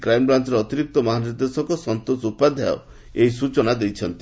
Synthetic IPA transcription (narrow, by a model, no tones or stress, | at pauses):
kɾajmbɾant͡ʃɔɾeɔt̪iɾik̚t̪ɔmɔɦaniɾd̪esɔkɔsɔnt̪osupad̪ʱajɔ̰ | eɦisut͡ʃɔnad̪ejt͡ʃʰɔnt̪i